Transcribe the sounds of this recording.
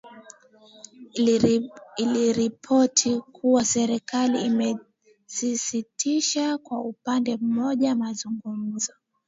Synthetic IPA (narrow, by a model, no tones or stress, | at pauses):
iliɾipʰɔtʰikʰuwasɛɾikaliːmɛ | sisitʰiʃakwaupandɛm̩mɔʄamazuŋɡum̩zɔ